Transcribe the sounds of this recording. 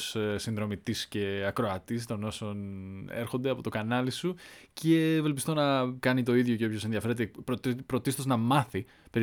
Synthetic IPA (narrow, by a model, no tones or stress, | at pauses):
ssinðɾo̞mit̪isce̞ɐkɾoɐt̪ist̪o̞no̞so̞neɾxond̪eɐpot̪o̞kɐnɐlisucʰe̞ve̞lpist̪o̞nɐkɐnit̪o̞iðʝoceopço̞se̞nðiɐfeɾet̪epɾot̪pɾot̪ist̪o̞znɐmɐθi | pe̞ɾ